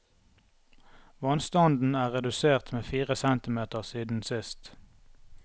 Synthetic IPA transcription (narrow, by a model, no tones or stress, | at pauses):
ʋɑnst̪ɔnd̪n̩æːʁɛd̪ʉseːʁt̪meːfiːʁəsɛnt̪ɪmeːt̪əʁsiːd̪n̩sɪst̪